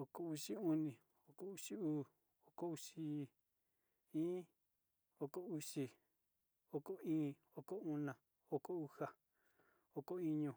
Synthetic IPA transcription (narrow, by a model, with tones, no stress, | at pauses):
o˧ko˧u˧ʂi˦u˦nĩ˧˨ | o˧ko˨u˧ʂi˦uː˦ | o˨ko˦u˧ʂi˦˧ | ĩː˦ | o˧ko˦˧u˧ʂi˧ | o˧ko˦ĩː˦ | o˧ko˦u˧nã˧˨ | o˧ko˦u˧ha˨ | o˧ko˦i˧ɲũ˧˨